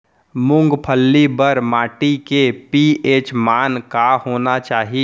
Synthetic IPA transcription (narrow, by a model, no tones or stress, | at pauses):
mʊ̃ŋɡpʰəlːibəɾmaːʈikepieːt͡ʃmaːnkahoːnat͡ʃaːɦi